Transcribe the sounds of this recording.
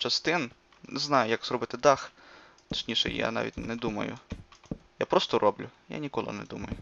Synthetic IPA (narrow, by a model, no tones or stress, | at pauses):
t͡ʃɐst̪ɪn | nɛznɑjʊjɐkz̥rɔbɪt̪ɪd̪ɑxt̪ɐ̥t͡ʃʲnʲiʃɛ̰ja̰nɑ̰ʋʲḭtʲnɛd̪umɐ̰jʊ̰ | japɾɔst̪ɔrʔɔblʲʊja̰nʲikɔlˠɪ̰nɛ̰d̪umɐjʊ